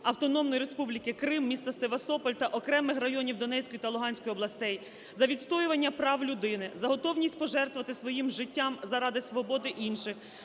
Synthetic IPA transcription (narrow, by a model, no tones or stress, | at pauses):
ɐwt̪ɔnɔmnɔjiɾespublʲikɪkɾɪmːʲist̪ɐst̪eʋɐst̪ɔpɔlʲt̪ɐʔɔkɾɛmɪxrɐjɔnʲiwd̪ɔnɛsʲkɔjʊt̪ɐlˠʊɦɑnʲsʲkɔjʊɔblˠɐst̪ɛj | zɐʋʲidt̪st̪ɔjʊʋɐnʲːɐpɾɑwlʲʊd̪ɪnɪzɐɦɔt̪ɔwnʲisʲtʲpɔʒɛrt̪ʋɐt̪ɪsʋɔjimʒɪtʲːamzɐɾɑd̪ɪsʋɔbɔd̪ɪʔinʃɪx